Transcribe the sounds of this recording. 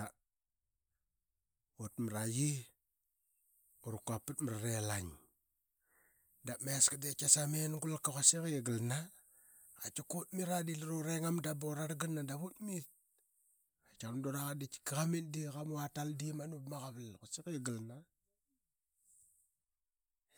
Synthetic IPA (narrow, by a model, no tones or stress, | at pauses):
a | otmɾaji | uɾukapːətməɾaɾelaɲ | dameskadekasamenɡulkakosikeɡəlna | at͡ʃakot̚miɾadilɾoɾeŋamdaboɾaɾɡɨnːadaβutmit̚ | at͡ʃamdoɾaɣadit͡ʃi̥kaɣamindikamuataldimanupmaɣaβlkasikɡəlna